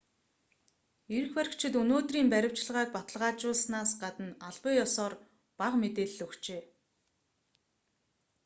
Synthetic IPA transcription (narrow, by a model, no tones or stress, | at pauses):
eɾɘ̆xpæɾ̆ʲkt͡ɕʰɪ̆t̪ɵnoːt̪riːmpæɾʲɪ̆w̥t͡ɕ̆ɮʁaːk̚pat̪ə̆ɮʁaːt͡ɕʊːɮsnaːsɢat̪ə̆naɮpə̆jɔsɔːr | paqmet̪eːɮːɵkt͡ɕeː